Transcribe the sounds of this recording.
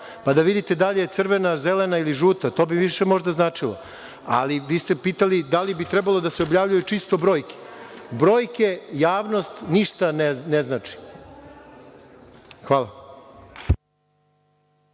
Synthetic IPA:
pad̪aʋid̪it̪ed̪aʎejet̪sr̩ʋenazelenailiʒuːt̪at̪o̞ːbiʋiʃemo̞ʒd̪aznaːt͡ʂilˠo̰ | a̰liʋiːst̪epiːt̪alid̪alibit̪ɾɛbalˠo̞d̪aseobjaːʋʎujut͡ʂist̪o̞bɾo̞ːjke̥bɾo̞ːjke̞jaːʋno̞st̪niʂt̪anneznaːt͡ʂi̥ | xʋaːlˠa

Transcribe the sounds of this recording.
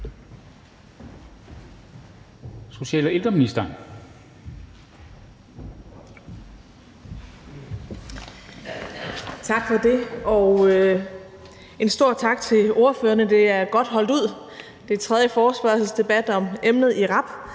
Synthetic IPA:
so̝ɕɛ̰ːlɐeld̥ʁɐminisd̥ɐ | t͡sʰɑ̈ɡ̥fɒd̥e̝ɒʊ | e̝nsd̥o̝ɐ̰̥t͡sʰɑ̈ɡ̥̚t͡sʰe̝lo̝ɐføːɐnəd̥e̝æɐɡ̥ɒ̽d̥ɦɒ̽l̰d̥uð̞̰ˠ | d̥et͡sʰʁɛð̞ˠjəfɒːsb̥ɶɐsl̩sd̥e̝b̥æd̥ɒ̽memnð̞̩ˠiʁɑ̈b̥

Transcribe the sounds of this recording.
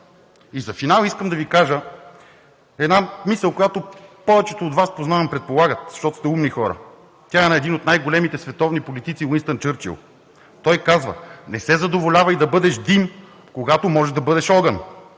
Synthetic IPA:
izɐfinalˠiskəmd̪ɐvikaʒə | ɛd̪namisəlˠkojat̪opɔvɛt͡ʃɛt̪oːd̪vaspoznavɐmpɾɛt̪̚polˠaɡət̪z̥ɐ̥ʃt̪ɔt̪ʊ̥st̪ɛumnixɔɾə̰ | t̪ʲjaɛnɐɛd̪inot̪najɡolɛmit̪ɛsvɛt̪ɔvnipolit̪it̪siwinst̪ənt̪̚t͡ʃɤɾt͡ʃḭlˠ | t̪ɔjkazvə̰nɛsɛzɐd̪ovolʲavəid̪ɐbɤd̪ɛʃd̪im | koɡat̪omɔʒɛʒd̪ɐbɤd̪ɛʃɔɡən

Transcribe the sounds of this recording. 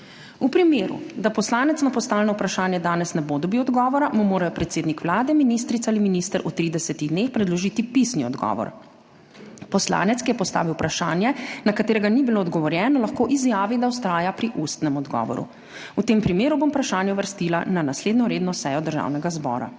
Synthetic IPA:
upɾimeːɾṵd̪apɔslaːnɛt̪snapɔst̪alnɔupɾaʃaːnjɛd̪aːnɛsnɛbod̪ɔbiwɔd̪ɡɔːʋɔɾamumoːɾajɔpɾɛt̪seːd̪nikʋlaːd̪ɛminis̬t̪ɾit̪aliminist̪əɾʔut̪ɾiːd̪ɛsɛt̪iɣd̪nexpɾɛd̪lɔʒiːt̪ipisniɔd̪ɡɔ̰ʋɔ̰ɾ | pɔsla̰ːnɛt̪skijɛpɔst̪a̰ːʋiwpɾaʃaːnjɛnakat̪eːɾɛɡanibiloːd̪ɡɔʋɔɾjɛːnɔlaxkoʔizjaːʋid̪awst̪ɾaːjapɾiʔust̪nɛmɔd̪ɡɔ̰ːʋɔ̰ɾṵ | ut̪eːmpɾimeːɾubompɾaʃaːnjɛuʋəɾst̪iːlananasleːd̪nɔɾeːd̪nɔsɛːjɔd̪əɾʒa̰wnɛɡazbɔ̰ːɾa̰

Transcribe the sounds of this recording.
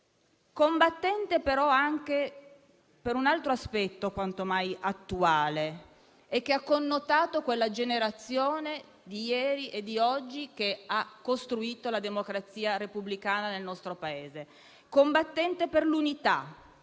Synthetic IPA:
kombat̪ːɛnt̪epeɾɔaŋk̟e | peɾunalt̪ɾoaspɛt̪ːokwant̪omajʔat̪ːuaːle | ɛk̟ːeakːonːot̪aːt̪okwelːad͡ʒeneɾat̪sːjoːne | d̪ijɛːɾiʔed̪ːiɔd͡ʒːik̟eakːost̪ɾuiːt̪olad̪emokɾat̪sːiːaɾepublikaːnanelnɔst̪ɾopaeːze | kombat̪ːɛnt̪eperlunit̪a

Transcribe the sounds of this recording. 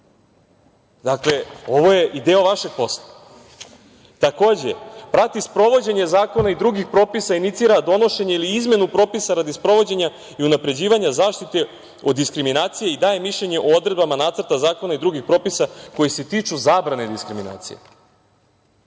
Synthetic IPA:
d̪akle̞o̞ʋo̞je̞ʔid̪eːo̞ʋaʃe̞ɡ̚po̞slˠa | t̪ako̞ːd͡ʑepɾat̪ispɾo̞ʋo̞d͡ʑe̞ɲe̞zaːko̞naid̪ɾuɡixpɾo̞ːpisainit̪siːɾad̪o̞no̞ʃe̞ɲeiliizme̞nupɾo̞ːpisaɾad̪ispɾo̞ʋo̞d͡ʑe̞ɲa | iunapɾe̞d͡ʑiːʋaɲazaːʃt̪it̪e̞ | o̞d̪ːiskɾiminaːt̪sije̞id̪aːjemiʃʎeɲe̞ʔood̪ɾe̞d̪bamanaːt̪sr̩ɾt̪azaːko̞naid̪ɾuɡixpɾo̞ːpisako̞jise̞t̪iːt͡ʂuzaːbɾane̞d̪iskɾimina̰ːt̪sḭjḛ

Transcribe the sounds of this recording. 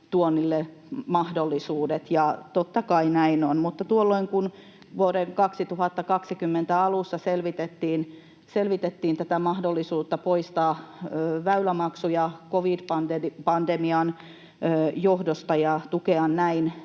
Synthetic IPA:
t̪uonːilːe | mɑhdolːisuːdet̪jɑt̪ot̪ːɑkɑinæinonmut̪ːɑt̪uolːoiŋkun | ʋuoɾeŋkɑksit̪uhɑt̪ːɑkɑksikymːent̪æɑlusːɑselʋit̪et̪ːiːn | selʋit̪et̪ːiːnt̪æt̪æmɑhdolːisuːt̪ːɑpoist̪ɑːøːʋæylæmɑksujɑkoʋidpɑnd̪epɑnd̪emiɑnː | johdost̪ɑjɑt̪ukeɑnnæin

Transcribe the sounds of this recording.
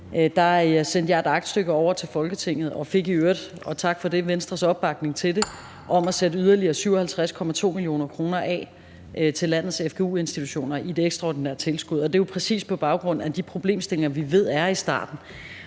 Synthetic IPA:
d̥ɑ̈sen̰d̥jɑ̈ɪe̝d̥ɑ̈ɡ̥d̥sd̥øɡ̥əɒʊ̰ɐt͡sʰe̝lfɒ̽lɡ̥ət͡sʰe̝ŋ̰ð̞̩ˠɒ̽fe̝ɡ̥iøɐd̥ɒ̽t͡sʰɑ̈ɡ̥fɒ̽d̥e̝ʋensd̥ʁɐsɒ̽b̥ːɑ̈ɡ̥̚ne̝ŋt͡sʰe̝ld̥e̝ | ʔɒ̽mæsedəyð̞ˠɐliɐːsyʊɒhælt͡sʰʁaskʰɒ̽mæt͡sʰo̝̰ːmilijo̝̰ːnɐkʰʁo̝ːnɐʔɛ̰ː | ʔt͡sʰe̝lːæn̰ð̞̩ˠsefɡ̥eṵːe̝nsd̥it͡sʰuɕo̝̰ːnɐʔid̥eeɡ̥sd̥ʁɑɒ̰ːd̥ineɐ̰t͡sʰe̝lsɡ̥uð̰ˠɒ̽d̥e̝jopʰʁɛsḭːspʰɒ̽b̥ɑ̈ʊɡ̥ʁɔ̽n̰̩æd̥ipʰʁo̝b̥le̝̰ːmsd̥e̝leŋɐʋiʋe̝ð̞̰ˠæɐisd̥ɑ̰̈ːd̥n̩

